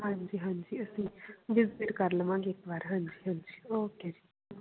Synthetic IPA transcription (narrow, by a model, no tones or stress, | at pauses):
ɦãɲd͡ʒiːɦãɲd͡ʒiːəsĩʋɪd͡zbiɾkəɾləmãːŋɡekʋaːɾɦãɲd͡ʒiːɦãɲd͡ʒiːoked͡ʒi